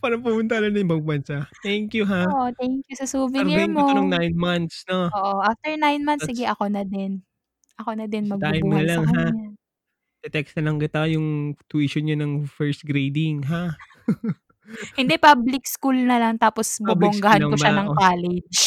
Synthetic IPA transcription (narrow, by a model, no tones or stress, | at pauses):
paːɾɐŋpʊmʊnt̪aɐlɐnɐɪbɐɡ̚bɐnsat̪ɛŋkjuɦaʔot̪ɛŋkjʊsɐsuːvɪimɐoɐnoŋnajnmɐnt̪snoʔoʔoʔaft̪ɛɹnajnmɐnsɪɡɛʔɐko̞nɐd̪ɛn | ʔɐkonɐd̪ɛnmɐɡt̪aɪmnɐlɐŋɦa | d̪̥ɛt̪ɛksnɐlɐŋkɪt̪ajʊŋt̪wiʃonɲanɐŋfɛɹst̪̚ɡɾejd̪ɪŋɦa | hɪnd̪ɛpɐblɪk̚skulnɐlɐŋt̪aːposbbloŋɡahankoʃaɐŋkaːlɛd͡ʒ